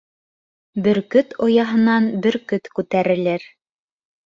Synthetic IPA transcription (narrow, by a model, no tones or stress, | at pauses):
bɘ̆ɾkɵt̪ŏjɑɦɤ̆nɑnbɘɾkɵt̪kʉt̪æɾɘ̆lɘɾ